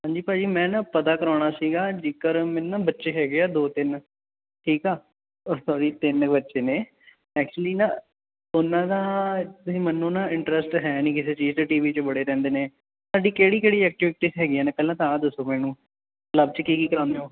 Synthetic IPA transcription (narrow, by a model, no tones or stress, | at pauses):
ɦãːɲd͡ʒiːpaːd͡ʒiːmɛ̃ːnapət̪aːkəɾaːɽ̃aːsiːɡaːd͡ʒɪkəɾmɛ̃ːnːaːbətːʃeːɦɛːɡeaːd̪oːt̪ɪn | ʈʰiːkaː | sɔːɽiːt̪ɪnbətːʃeːneː | ɛːk̚t͡ʃuəliːnaː | ʊnːãːd̪aːt̪ʊsĩːmɛːnːõːnaːɪɳʈɾəsʈɦɛːnĩːkɪseːt͡ʃiːzt͡ʃeːʈiːʋiːt͡ʃəbəɽeːɾɛ̃ːnd̪eːneː | saːɖiːkeːɽiːkeːɽiːɛːk̚ʈɪʋɪʈiːsɦɛːɡiːãːnẽːpɛːlãːt̪ããːd̪əsoːmɛ̃ːnũː | ləb̚t͡ʃəkiːkiːkəɾãːnd̪eoː